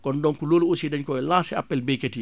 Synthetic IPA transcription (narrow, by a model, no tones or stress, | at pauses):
kɔndɔŋkuloːlosidaɲkɔɛlaːsɛapːɛlbejketi